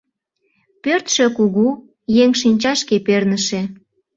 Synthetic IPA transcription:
pørt̪ʃø̆kuɣu | jeŋʃinʲt͡ɕɑʃkepernəʃe

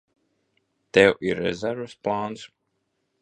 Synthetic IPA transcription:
t̪ɛwʔiɾːɛ̰zɛɾvəsplˠaːns

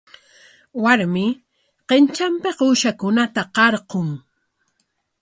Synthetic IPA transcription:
waɾmɪ | qent͡ʃampeqʊʃakʊnat̪aqɑɾqoŋ

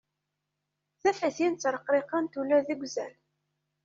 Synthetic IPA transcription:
θæfæθint͡sːɾˤəqːɾɪqɑnt̪ulæðəɡʷzæl

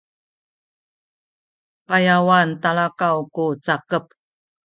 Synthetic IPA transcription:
pajawantaɭakawkut͡sakəp̚

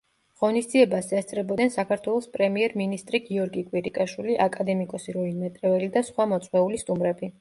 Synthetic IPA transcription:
ʁ̥ɔnisd̪ziɛbasɛst̪sʼɾɛbɔd̪nɛnsakʰaɾt̪ʰwɛlˠɔspʼɾɛmiɛɾminist̪ʼɾiɡiɔɾɡikʼwiɾikʼaʃwiliʔakʼad̪ɛmikʼɔsiɾɔinmɛt̪ʼɾɛvɛlid̪asχwamɔt̪sʼwɛulist̪ʼumɾɛbi

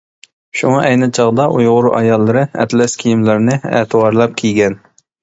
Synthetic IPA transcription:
ʃuŋʔɛjnɨt͡ʃʰɑʁd̪ɑʔujʁʊɾʊʔɑjɑlˠːɨɾɨɛ̰t̪lɛskʲʰijimlɪɾnɨɛ̰ːt̪ʰɨwɑɾlˠɑp̚kʲʰijɡʲɛn

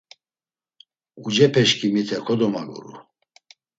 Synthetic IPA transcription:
ud͡ʒɛpʰɛʃkʰʼimit̪ʰɛkʰɔd̪ɔmaɡɔ̰ɾṵ

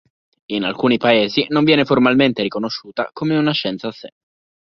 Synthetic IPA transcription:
ina̰lkuːnipaeːzinoɱvjɛːneformalment̪eɾikonoʃːuːt̪a̰komeunaʃɛnt̪saːsːḛ

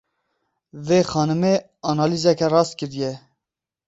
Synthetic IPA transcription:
veːxɑːnɨme | ɑnɑːlizɛkɛrɑːst̪̚kɨɾijɛ

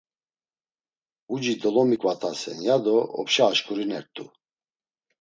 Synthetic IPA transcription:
ud͡ʒid̪ɔlɔmikʼvat̪ʼʰasɛ̰njad̪ɔɔ̰pʃɛːʃkʼuɾinɛ̰ɾt̪ʼṵ

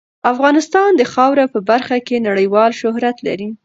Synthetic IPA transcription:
afɣɑnɪst̪ɑnd̪əxɑwɾapəbaɾxakenaɽəjwɑlʃʊɦɾat̪la̰ɾi

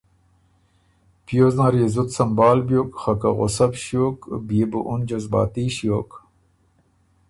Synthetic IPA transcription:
pjoːznaɾjezut̪sɐmbaːlbjoːkχɐka̰ɣo̰sɐbɕjoːkbjebuʔund͡ʑɐzba̰ːt̪iːɕjoːk

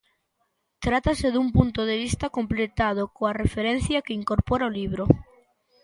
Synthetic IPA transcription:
t̪ɾat̪aseðumpunt̪oðeβ̞ist̪ako̞mplet̪að̞okoarefeɾen̟θjakeiŋkoɾpoɾaoliβ̞ɾo

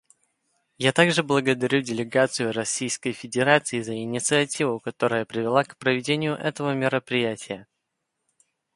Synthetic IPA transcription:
jat̪aɡʐɨblˠəɡəd̪ɐɾʲudʲɪlʲɪɡat̪sɨjʊɾɐsʲːijskəjfʲɪdʲɪɾat̪sɨɪzəɪnʲɪt̪sɨɐtʲivʊkɐt̪o̞ɾəjəpɾʲɪvʲɪlˠakpɾəvʲɪdʲenʲɪjʊʔɛt̪əvəmʲɪɾəpɾʲɪjætʲɪjə

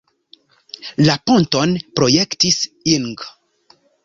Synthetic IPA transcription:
laponto̞npɾo̞jektisiŋɡ

